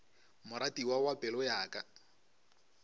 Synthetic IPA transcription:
mʊɾatiwawapʼɛlɔjaːkʼa

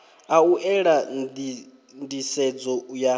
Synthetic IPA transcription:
auʔɛɺad | ndisɛd͡zɔja

